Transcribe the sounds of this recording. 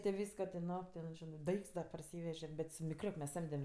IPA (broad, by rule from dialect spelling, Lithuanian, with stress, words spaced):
tʲɪ ˈʋʲiːskoː tʲɪ ˈnoː ˈtʲɛn ˈʒʲɪnɜ ˈdɐɪkts dɐ pɐrʲˈsʲiːʋʲɛʒʲɛ bʲɛt sʊ mʲɪkˈrʲoːk mʲɛs ˈsɐmʲdʲɛm